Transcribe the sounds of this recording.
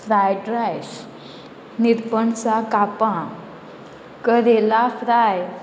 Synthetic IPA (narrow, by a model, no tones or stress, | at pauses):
fɾajɖɾajɕ | niɾpəɳt͡sakapã | kəɾelafɾaj